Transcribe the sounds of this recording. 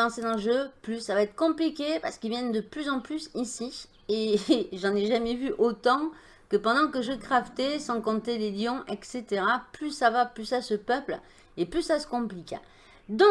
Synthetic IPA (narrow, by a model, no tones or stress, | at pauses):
ɑ̃sed̪ɑ̃ləʒøplysːavaɛt̪χə̥kɔ̃plikʲepa̰ʁsə̥kilvjɛnd̪əplyzɑ̃plysisi | eʒɑ̃nɛʒamɛvyʔot̪ɑ̃ | kəpɑ̃d̪ɑ̃kəʒəkχaft̪esɑ̃kɔ̃t̪eleljɔ̃ʔɛkset̪eʁaplysavaplysasəpœpl | eplysasə̥kɔ̃plikʲa̰ | d̪ɔ̃